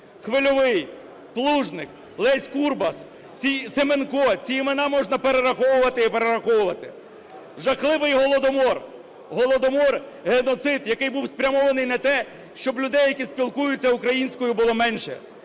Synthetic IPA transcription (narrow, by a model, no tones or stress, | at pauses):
xʋɪlʲɔʋɪj | plˠuʒnɪk | lˠɛsʲkurbɐs | t͡sʲijsemenkɔt͡sʲijimenɑmɔʒnɐpeɾeɾɐxɔwʊʋɐt̪ɪipeɾeɾɐxɔwʊʋɐt̪ɪ | ʒɐxlˠɪʋɪjɦɔlˠɔd̪ɔmɔr | ɦɔlˠɔd̪ɔmɔr | ɦenɔt̪sɪt̪jɐkɪjbuwspɾʲɐmɔʋɐnɪjnɐt̪ɛ | ʃt͡ʃɔblʲʊd̪ɛjːɐkʲispʲilˠkujʊt͡sʲːɐʊkɾɐjinʲsʲkɔjʊbʊlˠɔmɛnʃɛ̰